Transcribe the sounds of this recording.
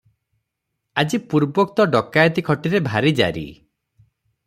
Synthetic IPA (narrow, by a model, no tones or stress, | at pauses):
ad͡ʒipuɾbɔkt̪ɔɖɔkajɔt̪ikʰɔʈiɾebʱaɾid͡ʒa̰ɾḭ